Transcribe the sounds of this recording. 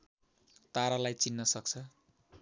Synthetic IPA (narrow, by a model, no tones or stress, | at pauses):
t̪aɾalajt͡sinːʌsʌk̚t͡sʰʌ